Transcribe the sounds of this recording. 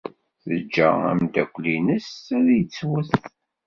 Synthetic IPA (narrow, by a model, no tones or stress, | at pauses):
θəd͡ʒːæ̰æ̰md̪ækʷːlinəsæðjət͡sːwəθθ